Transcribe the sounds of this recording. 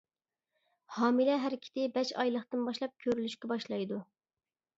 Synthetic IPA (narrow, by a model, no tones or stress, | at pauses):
hɑːmɨlɛɦæɾɪkʲʰɪ̥t̪ɪbɛʃɑ̰jlˠəχt̪ɨnbɑʃlˠɑp̚kʲʰøɾylyʃkʲɛbɑʃlˠɑjd̪u